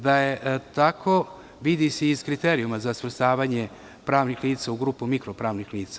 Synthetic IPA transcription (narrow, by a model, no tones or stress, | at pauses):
d̪ajet̪akʰo | ʋid̪iseizkɾit̪eːɾijumazasʋr̩st̪aːʋaːɲe | pɾaːʋnixliːt̪sauɡɾuːpumikɾopɾaːʋnixliːt̪sa